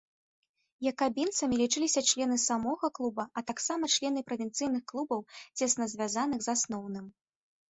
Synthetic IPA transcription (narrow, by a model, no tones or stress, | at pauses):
jɐkabʲint̪sɐmʲilʲit͡ʂɨlʲisʲɐt͡ʂlʲɛn̪ɨsamɔɣɐklˠubɐʔɐt̪aksamɐt͡ʂlʲɛn̪ɨpɾɐvʲint̪sɨjnɨxklˠubɐwt͡sʲɛsnɐzʲvʲazanɨɣzasnɔwn̪ɨm